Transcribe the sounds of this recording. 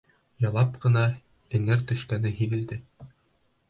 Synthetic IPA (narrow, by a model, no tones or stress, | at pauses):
jɑlˠɑpqɤ̆nɑ | ɘ̆ŋɘɾt̪ɵ̆ʃkænɘɦiðɘ̆ld̪ɘ